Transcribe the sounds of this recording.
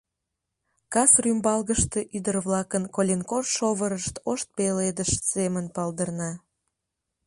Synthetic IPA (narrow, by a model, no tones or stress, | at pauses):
kɑsrymbɑlɣəʃt̪eʔyd̪ərβlɑkənkolʲenkorʃoβəɾəʃt̪oʃt̪̚peled̪əʃsemənpɑld̪ərnɑ